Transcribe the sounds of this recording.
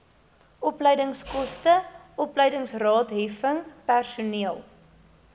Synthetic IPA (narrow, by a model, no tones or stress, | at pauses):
ɔpləjdəŋskɔstəɔpləjdəŋsrɑːtɦɛfəŋpærsuniəlˠ